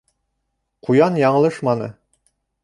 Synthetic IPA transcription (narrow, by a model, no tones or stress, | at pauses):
qʰujɑnjɑɴɤ̆lˠɤʃmɑnɤ̰